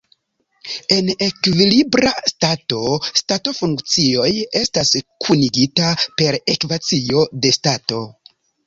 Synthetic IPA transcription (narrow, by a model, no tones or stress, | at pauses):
e̞ne̞kvilibɾastato̞stato̞fuŋkt͡sio̞je̞staskʰuniɡitape̞ɾe̞kvat͡sio̞de̞stato̞